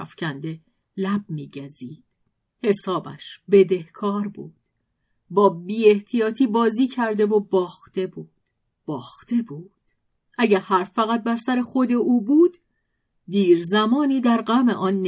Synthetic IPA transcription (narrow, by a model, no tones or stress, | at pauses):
fcʰænd̪e̞ | læb̚miːɟæziːd̪̥ | he̞sɒːbæ̰ʃbe̞d̪e̞hkʰɒːɾbṵːd̪̥ | bɒːbiːe̞ht̪ʰijɒːt̪ʰiːbɒːziːcʰæɾd̪e̞vobɒːxt̪e̞buːd̪̥ | b̥ɒːxt̪e̞buːd̪̥ | ʔæɟæɾhæɾfːæɣæt̪̚bæɾsæɾexod̪e̞ʔuːbuːd̪̥ː | iːɾzæmɒːniːd̪æɾɢæme̞̰ʔɒːnː